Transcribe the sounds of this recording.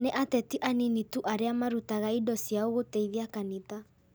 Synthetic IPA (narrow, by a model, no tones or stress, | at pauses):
neʔatɛtiʔaninituʔaɾeamaɾutaɣaidɔsjaoɣotɛiðiakanita